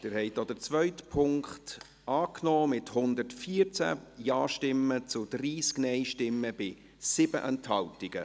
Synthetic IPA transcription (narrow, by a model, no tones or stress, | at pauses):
d̥ɪɾhɛɪtod̥ət͡svœʏtpʰʊŋkχt | ɑːknɔːmɪthʊnd̪əɾtfiəɾt͡sæ̰jaːʃtɪmːət͡sʊd̥riːsknɛɪʃtɪmːəb̥ɪ | sɪb̥ə̰ʔɛnthɑltɪɡ̥ə